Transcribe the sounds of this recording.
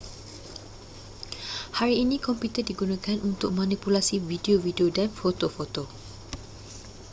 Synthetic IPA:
haɾiːnikɔmput̪ərdiɡunãkanʔunt̪ʊk̚mãnipulasivideovideodanfot̪ofot̪o

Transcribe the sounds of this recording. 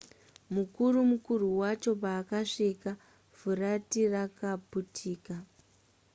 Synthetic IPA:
mukurumukuruwat͡ʃo̞paːkaʂika | vuratirakaputʰiːka

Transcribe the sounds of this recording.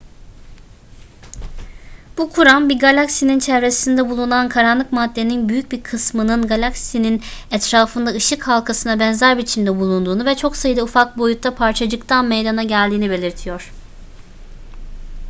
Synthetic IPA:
b̥ukʰuɾanbiɾɡalʲaksinint͡ʃʰɛvɾe̞sind̪ɛbulˠunankʰaɾanlˠɯkmad̪ːe̞ninbyjyc̚biɾkʰɯsmɯnɯnɡalʲaksininɛt̪ɾaːfɯnd̪aɯʃɯkhalˠkʰasɯnabɛnzæɾbit͡ʃʰind̪ɛbulˠund̪uːnuvɛt͡ʃʰo̞ksajɯd̪aufak̚bo̞jut̪ʰːapʰaɾt͡ʃʰad͡ʒɯkt̪ʰanmejd̪anaɟælʲd̪iːnibe̞lʲiɾt̪ʰijo̞ɾ̥

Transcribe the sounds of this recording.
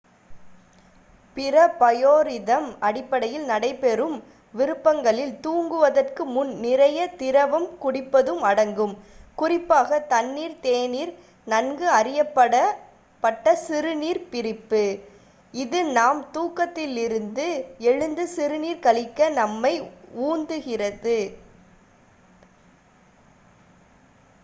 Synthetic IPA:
pɪɾɐpɐjoːɾɪðɐmɐɽɪpːɐɽɐjɪlnɐɽɐɪpɛɾɯm | ʋɪɾɯpːɐŋɡɐɭɪlt̪uːŋɡɯʋɐðɐrkɯmʊnːɪɾɐjɐt̪ɪɾɐʋɐmkʊɽɪpːɐðɯmɐɽɐŋɡɯmkʊrɪpːaːɣɐt̪ɐnːiːɾt̪eːniːɾ | nɐnɡɯɐɾɪjɐpːɐɽɐ | pːɐʈːɐsɪɾɯniːɾpɪɾɪpːɯ | ɪðɯnaːmt̪uːkːɐt̪ːɪlɪɾɯnd̪ɯɛɻɯnd̪ɯsɪɾɯniːɾkɐɭɪkːɐnɐmːɐɪuːnd̪ɯɣɪrɐðɯ

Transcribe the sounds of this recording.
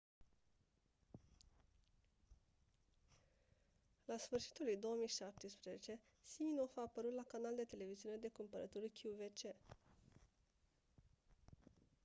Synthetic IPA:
lasfɨrʃi̥t̪ulujd̪o̞womijʃap̚t̪espɾezet͡ʃe̞ | simino̞faːpəɾut̪lakanald̪e̞t̪e̞le̞viziune̞d̪e̞kumpəɾət̪uɾikʲʰuuvet͡ʃe̞

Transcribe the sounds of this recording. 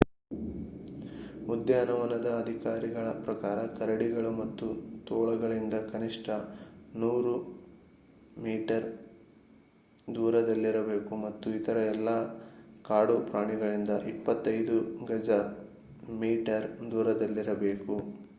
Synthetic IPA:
ud̪jɐnɐʋɐnɐd̪ɐːd̪ʱikaːɾiɡɐɭɐpɾɐkaːɾɐkɐɾɐɽiɡɐɭumɐt̪ːut̪ɔːɭɐɡɐɭind̪ɐkɐniʂʈʰɐ | nuːɾu | miːʈɐɾ | d̪uːɾɐd̪ɐlːiɾɐbe̞ːkumɐt̪ːuit̪ʰɐɾɐɛlːɐ | kaːɽupɾaːɳiɡɐɭind̪ɐʔipːɐt̪ːɐjd̪uɡɐd͡ʒɐ | miːʈɐɾd̪uːɾɐd̪ɐlːiɾɐbe̞ːku

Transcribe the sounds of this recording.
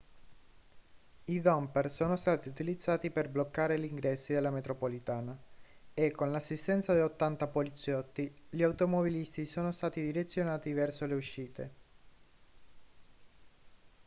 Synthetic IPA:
id̪ɔmpɛrsoːnost̪aːt̪iut̪ilid̪zːaːt̪iperblokːaːɾeliŋɡɾɛsːid̪elːamet̪ɾopolit̪aːnaekːonlasːist̪ɛnt̪sad̪iot̪ːant̪apolit̪sːjɔt̪ːiʎiawt̪omobilist̪isoːnost̪aːt̪id̪iɾet̪sːjonaːt̪ivɛrsoleuʃːiːt̪ḛ

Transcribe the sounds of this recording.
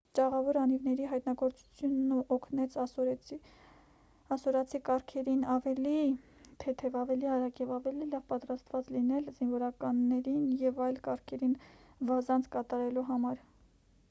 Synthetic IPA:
t͡ʃɑʁɑvɔɾɑnivnɛɾiɦɑjt̪nɑɡɔɾt͡su̥t͡sʰjunuʔɔkʰnɛt͡sʰɔɾ | ɑsɔɾɑt͡sʰikɑɾkʰɛɾinɑvɛlit̪ʰɛt̪ʰɛvɑvɛliɑɾɑkjɛvɑvɛlilɑvpɑt̪ɾɑst̪vɑt͡slinɛlzinvɔɾɑkɑnːɛɾinjɛvɑjlkɑɾkʰɛɾinvɑzɑnt͡sʰkɑt̪ɑɾɛluɦɑmɑɾ

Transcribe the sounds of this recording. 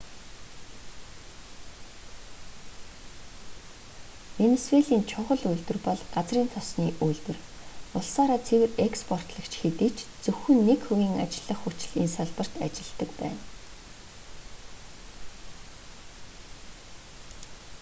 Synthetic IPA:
enesweɮiːnt͡ɕʰʊʁɞ̆ɮuɮt̪ɘ̆rpɔɮɢat͡sriːnt̪ʰɔsniːʔuːɮt̪ɘ̆r | ʊɮsaːɾaːt͡sʰewɘ̆rekspʰɔr̥t̪ɮə̆kt͡ɕʰxet̪iːt͡ɕʰt͡sɵxɵ̆nːekxɵɣʲiːŋat͡ɕɪ̆ɮːə̆χːut͡ɕɪ̆ɮinsaɮpə̆r̥t̪a̰t͡ɕɪ̆ɮt̪ə̆kpæ̰ːn

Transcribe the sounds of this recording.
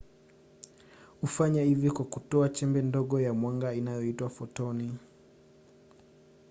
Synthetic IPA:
hufaɲahivjɔkwakutɔat͡ʃɛmbɛndɔɠɔjamwaŋɡainajɔitwafɔtɔni

